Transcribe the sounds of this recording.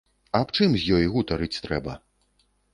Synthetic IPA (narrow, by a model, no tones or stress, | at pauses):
ɐpt͡ʂɨmzʲjɔjɣut̪aɾɨt͡sʲt̪ɾɛbɐ̰